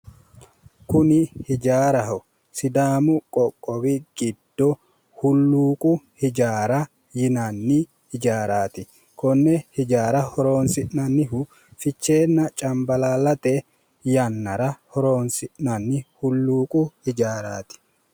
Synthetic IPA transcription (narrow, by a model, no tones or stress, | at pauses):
kʊnɪhɪd͡ʒaːɾɐɦɔ | sɪd̪aːmʊkʼɔkʼːɔbɪɡ̥ɪd̪̥ːɔ | hʊlːuːkʼʊhɪd͡ʒaːɾɐ | jɪnɐnːɪ | hɪd͡ʒaːɾaːt̪ɪ | kʰɔnːɛhɪd͡ʒaːɾɐhɔɾo̞ːnsɪʔnɐnːɪhʊ | fɪt͡ʃːe̞ːnːɐt͡ʃʼɐmbɐlaːlɐt̪ɛ | jɐnːɐɾɐhɔɾoːnsɪʔnɐnːɪhʊlːuːkʼʊhɪd͡ʒaːɾaːt̪ɪ̥